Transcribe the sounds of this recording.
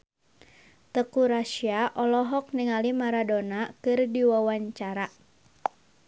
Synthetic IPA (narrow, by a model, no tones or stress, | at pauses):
t̪əkuɾaʃiaʔɔlɔɦɔk̚niŋalimaɾadonakɨrdiwawaɲt͡ʃaɾa